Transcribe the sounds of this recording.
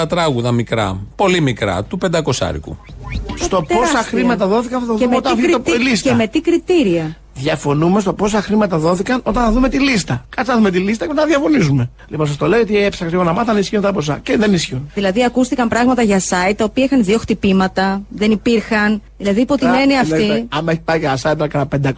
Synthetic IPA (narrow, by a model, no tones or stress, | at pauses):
ɐt̪ɾɐɣuðɐmikɾɐ̰po̞limikɾɐ̰t̪upe̞nd̪ɐko̞sɐ̰ɾḭkṵst̪o̞posɐxɾimɐt̪ɐðo̞θikɐnt̪ɐθɐðumot̪ɾp̪iliseme̞t̪ikɾit̪iɾiɐ | ðʝɐfo̞numest̪o̞po̞sɐxɾimɐt̪ɐðo̞θikɐno̞t̪ɐnθɐðume̞t̪ilist̪ɐkɐsɐðumet̪ilist̪ɐcepnɐðjɐfo̞nizume̞ | lipons̬ɐst̪oleiot̪iepsɐkɾiɣonɐmɐθɐnisçiont̪ɐpos̬ɐ̰ceðenisçiunðilɐðiɐkust̪ikɐmpɾɐɣmɐt̪ɐʝɐsɐit̪̚t̪ːɐopiɐixɐnðio̞xt̪ipimɐt̪ɐðe̞nipiɾxɐnðilɐðiːpo̞t̪ineniɐft̪iɐmeçi̥pɐiʝɐsɐit̪ɐlɐkɐt̪ɐpend̪ɐ